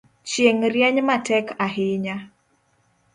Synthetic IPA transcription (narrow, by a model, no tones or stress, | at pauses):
t͡ʃjeŋɾjɛɲmatɛkaɦɪɲa